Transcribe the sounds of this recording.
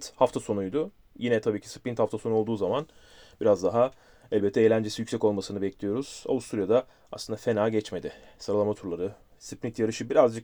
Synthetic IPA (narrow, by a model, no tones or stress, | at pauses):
t̪haft̪ʰaso̞nujd̪ʊ | jinɛt̪ʰabiːcʰi̥sɯ̥pint̪haft̪ʰaso̞nuold̪uːzaman | biɾazd̪aɦa | ɛlʲbɛt̪ʰːɛejlʲænd͡ʒesijycsɛco̞lˠmasɯnɯbɛclʲijo̞ɾuz̥a̰vust̪ʰuɾujad̪a | aslɯnd̪afe̞naːɟɛt͡ʃme̞d̪ɪsaɾalˠamat̪ʰuɾlˠaɾɯ | sɯp̚nit̪jaɾɯʃɯbiɾazd͡ʒɯk